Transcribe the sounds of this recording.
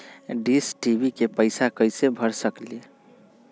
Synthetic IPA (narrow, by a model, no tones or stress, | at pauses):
ɖisʈibikepəɪsakəɪsebʱəɾsəklie